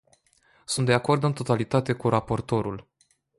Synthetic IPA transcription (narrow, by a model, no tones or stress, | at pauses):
sunt̪d̪eako̞rd̪ɨnt̪o̞t̪alit̪at̪e̞kuɾapo̞rt̪o̞ɾul